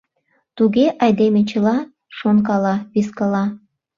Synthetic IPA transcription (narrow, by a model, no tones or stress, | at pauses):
t̪uɣeʔɑjd̪emet͡ɕəlɑ | ʃonkɑlɑβiskɑlɑ